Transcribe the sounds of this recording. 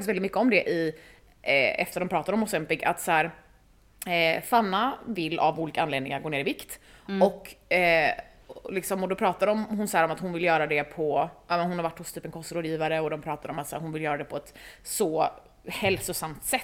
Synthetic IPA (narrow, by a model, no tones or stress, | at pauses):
faktɪsvɛlɪt̪mʏkːəɔmd̪ɛʔɪ̰ | ɛ̰ft̪əɾɖ̪ɔmpɾɑːt̪aɾɔmɔsɛmpɪɡa̰t̪sæːɾ | fanːavɪlːʔa̰vuːliːkaanleːd̪nɪŋaɾɡoːneːɾɪvɪkt̪ɔkːɛ | lɪksɔmɔd̪ɔpʰɾɑːt̪aɾɔmhʊnsahæːɾɔmat̪hʊnvɪljœːɾad̪ɛpʰɔʔɑːmɛnhʊnhaɾvaʈːhʊst̪ʰyːpɛnkʰɔst̪ɾoːd̪jiːvaɾəɔd̪ɔmpʰɾɑːt̪aɾɔmat̪sæːɾɦʊnvɪljœːɾad̪ɛpʰɔɛt̪sɔ | hɛlsʊsamt̪sɛt̪ː